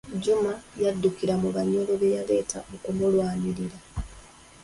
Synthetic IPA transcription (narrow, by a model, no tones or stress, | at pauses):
ɟumajadːukiɾamuβaɲo̞lo̞βe̞jale̞ːta̰okumulwaːɲiɾiɾa